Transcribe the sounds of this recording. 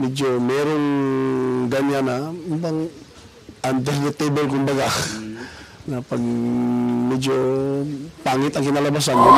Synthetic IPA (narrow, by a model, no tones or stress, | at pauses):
mɛd͡ʒomɛːɾoŋ | ɡaɲanaubaŋ | ʔand̪ɛɾd̪ɐt̪ebolkʊmbaɡa | napaɡ̚ | mɛd͡ʒo | paŋɪt̪ɐŋkɪnalabas̬an